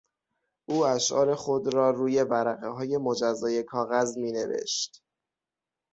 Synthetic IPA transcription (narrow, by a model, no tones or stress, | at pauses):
ʔuːæʃʔɒ̰ːɾe̞xo̞d̪ɾɒːɾuːje̞bæɾæɣeɦɒːje̞mod͡ʒæzːɒːje̞kʰɒːɣæzmiːne̞̰vḛʃt̪